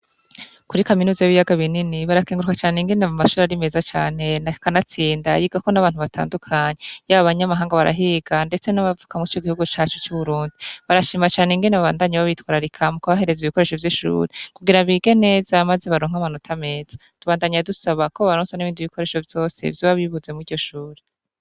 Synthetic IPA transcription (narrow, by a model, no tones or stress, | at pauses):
kuɾikaminuːzajiβijaɡaβininiβaɾakiːŋɡuɾukat͡ʃaːneŋɡenamumaʃuːɾaɾime̞zat͡ʃa̰ːne̞nakanat͡siːndajiɡako̞naβaːn̥uβatʰa̰ːndukʰaɲejaβaβaɲamaɦaːŋɡaβaɾa̰ɦiːɡande̞t͡se̞naβavukamuit͡ʃo̞ɡihuɡut͡ʃaːt͡ʃo̥t͡ʃuβuɾuːndiβaɾaʃiːmat͡ʃaːneŋɡeneβaβaːndaɲaβaβitwaːɾaɾikʰamukoβaɦe̞ɾe̞ziβiko̞ɾe̞ːʃo̞vjiʃṵːɾekuɡiɾaβiɡe̞ne̞ːzamaze̞βaɾoːŋ̥amanotʰame̞ːz̥ḁ | tuβaːndaɲadusaβakoβaɾonsaniβiːnduiβiko̞ɾe̞ʃo̞vjo̞ːsḛvjoβaβiβuze̞muiɟo̞ʃuːɾe